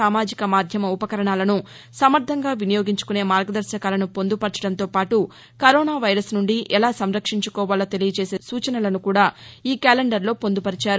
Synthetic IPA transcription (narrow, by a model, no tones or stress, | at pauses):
aːmaːd͡ʒikɐmaːd̪ʱjɐmɐupɐkɐɾɐɳaːlɐnu | sɐmɐɾt̪ʰːɐŋɡaːʋinijoːɡiɲt͡ʃu̥kune̞ːmaːɾɡɐd̪ɐɾʃɐkaːlɐnupo̞nd̪upɐɾt͡ʃɐɽɐnt̪o̞ːpaːʈu | kɐɾoːnaːʋɐjɾɐsnuɳɖiʔɛlaːsɐmɾɐkʂiɲt͡ʃu̥kɔːʋaːlɐt̪e̞lijɐt͡ʃeːseːsuːt͡ʃɐnɐlɐnukuːɽaːiːkaːleɳɖɐɾlo̞ːpo̞nd̪upɐɾit͡ʃaːɾu